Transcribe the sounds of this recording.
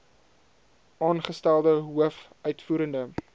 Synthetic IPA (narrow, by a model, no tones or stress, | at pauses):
ʔɑːnχəstælˠdəɦuəf | œɥtfuːɾəndə